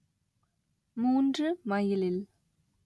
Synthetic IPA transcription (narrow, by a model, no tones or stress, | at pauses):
moɳɖ͡ʐəmajəlel